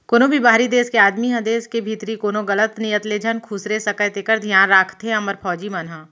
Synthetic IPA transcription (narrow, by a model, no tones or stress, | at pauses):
koːnõbʱibaːɾid̪eːskeaːd̪miɦɐ̃d̪eːskebʱiːt̪ɾikoːnoɡɐlət̪nijət̪leːd͡ʒʱənkʰuːsɾesɐkət̪ekəɾd̪ʱijãːnɾaːkʰt̪eɐməɾpɔːd͡ʒimɐnɦaː